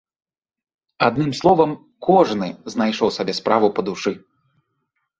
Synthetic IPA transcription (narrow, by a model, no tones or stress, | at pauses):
ad̪nɨmslˠɔvɐm | kʰɔʐnɨznajʂɔwsabʲɛspɾavupɐd̪uʂɨ